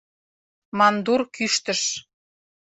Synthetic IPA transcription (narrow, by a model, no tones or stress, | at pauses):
mɑnd̪urkyʃt̪əʃ